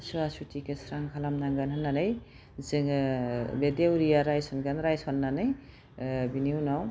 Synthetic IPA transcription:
suasutʰikesɾaŋkʰalamnaŋɡanɦɯnːanɯj | zɯŋbedewɾijaɾajsɔnɡanɾajsɔnːanɯj | biniwnaw

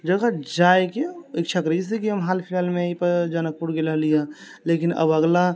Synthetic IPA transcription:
d͡ʒəɡad͡ʒajkeikt͡ʃʰakɾid͡ʒis̬ikiɦəmɦalpʰilalmeipəɾd͡ʒanək̚puɽɡeləɦlija | lekinə̰bəɡla

